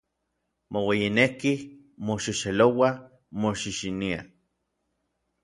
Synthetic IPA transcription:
mowejineki | moʃiʃelowa | moʃiʃinia̰

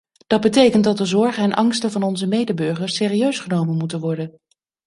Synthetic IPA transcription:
d̥ɑt̚bətejkənt̚dɑt̚dəzɔɹχəɛnʔɑŋstəvɑnɔnzəmejdəbɵɹχəɹsɪːriøɥsχənowmənmutənʋɔɹdən

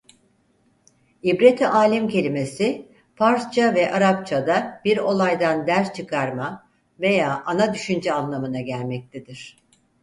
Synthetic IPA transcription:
ibɾet̪ʰiʔaːlʲimcʰe̞lʲime̞si | pʰaɾst͡ʃʰavɛʔaɾapt͡ʃʰad̪ab̥iɾo̞lˠajd̪and̪æɾst͡ʃʰɯkʰaɾma | ve̞jaːʔanad̪yʃynd͡ʒɛanlˠamɯnaɟælʲmɛc̚t̪ʰed̪iɾ̥

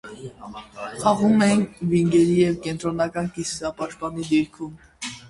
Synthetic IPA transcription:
χɑʁumɛjinviŋɡɛɾijɛvkɛnt̪ɾɔnɑkɑnkisɑpɑʃt̪̚pɑnid̪iɾkʰum

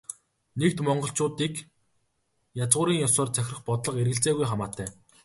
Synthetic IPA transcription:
nek̚t̪mɔɴɢɞ̆ɬt͡ɕʊːt̪iːk | jat͡sʁʊːɾiːŋjɔsɔːrt͡sʰæxʲrə̆χpɔt̪ɮɞ̆qeɾɣɘ̆ɬt͡seːɣujχamaːt̪ʰæː

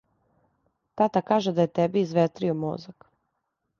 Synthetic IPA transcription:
t̪at̪akaːʒed̪ajet̪ɛbiːzʋet̪ɾiomo̰zak

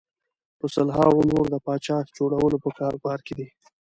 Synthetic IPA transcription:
pəsəlɦɑ̰ɣonoɾd̪əpɑt͡ʃɑxd͡ʒoɽawəlopəkɑɾɡɑɾked̪i

